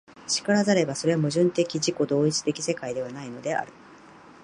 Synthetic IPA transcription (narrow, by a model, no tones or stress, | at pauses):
ɕi̥kaɾazaɾe̞baso̞ɾe̞amɯ̟ʑɨ̃nt̪e̞kʲiʑiko̞d̪o̞ːit͡si̥t̪e̞kʲise̞kaid̪e̞βanaino̞d̪e̞a̰ɾɯ̟̥